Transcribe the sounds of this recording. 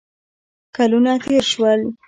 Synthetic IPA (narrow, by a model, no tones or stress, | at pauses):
kalunat̪eɾʃwəl